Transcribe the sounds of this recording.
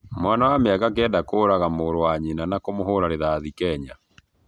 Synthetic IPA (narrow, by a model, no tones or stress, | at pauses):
mwanawameaɣak̬ɛːndakoːɾaɣamoːɾowaɲenanakomoɦoɾaɾeðaðikɛɲa